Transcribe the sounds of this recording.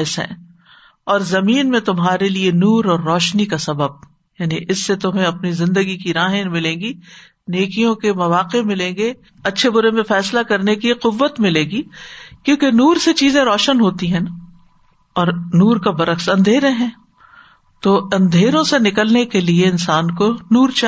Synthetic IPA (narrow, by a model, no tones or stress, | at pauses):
sɦɛ̰̃ː | ɔːɾzɐmiːnmẽt̪ʊmɦaːɾelienuːɾɔːɾːɔːʃnikasɐbəb̚ | jaːniʔɪsːet̪ʊmẽɐpnizɪ̃nd̪əɡikiɾaːɦẽmɪlẽːɡi | neːkijõkemɐʋaːqemɪlẽːɡe | ɐtːʃʰebʊɾemẽfɛːslakɐɾnekiqʊʋːət̪mɪlẽːɡiːkjõːkenuːɾset͡ʃiːzẽɾɔːʃənɦoːt̪iɦɛ̃na | ɔːɾnuːɾkabɐɾəxsɐ̃nd̪ʱeːɾẽɦɛ̃ː | t̪oːɐ̃nd̪ʱeːɾõsenɪkəlnekelieɪ̃nsaːnkonuːɾt͡ʃa